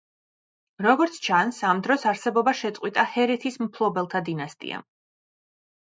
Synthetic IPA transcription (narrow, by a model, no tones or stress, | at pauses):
ɾɔɡɔɾt̪sʰt͡ʃʰansamd̪ɾɔsaɾsɛbɔbaʃɛt̪sʼqʼwit̪ʼahɛɾɛt̪ʰismpʰlˠɔbɛlˠt̪ʰad̪inast̪ʼḭa̰